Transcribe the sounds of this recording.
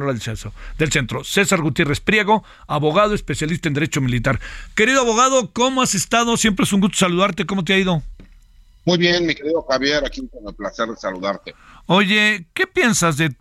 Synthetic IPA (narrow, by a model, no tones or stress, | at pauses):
noɾaðelsensod̪else̞nt̪ɾo̞se̞saɾɣut̪je̞respɾjeɣo̞ | aβo̞ɣað̞oespe̞sjalist̪aend̪eɾe̞t͡ʃo̞milit̪aɾke̞ɾiðoaβo̞ɣaðo̞ko̞moase̞st̪aðo̞sjemp̬ɾees̬uŋɡust̪o̞saluðaɾt̪e̞ko̞mo̞t̪̬eaiðo̞ | mujβjenmike̞ɾiðoxaβje̞ɾakikonelplase̞ɾðesaluðaɾt̪eo̞ʝe̞ke̞pje̞nsazðe̞